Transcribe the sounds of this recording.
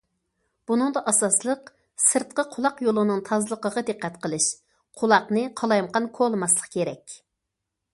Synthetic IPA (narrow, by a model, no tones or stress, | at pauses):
b̥unɨŋd̪ɑʔɑsɑslˠəq | sɨɾt̪̚qəqʰʊlˠɑqjolˠɨnɨŋt̪ʰɑzlˠəqəʁɑd̪ɨqːɛt̪qʰəlˠɨʃ | qʰʊlˠɑqnɨqʰɑlˠɑjmqɑnkʰolˠmɑslˠə̥qkʲʰeɾɛkʲ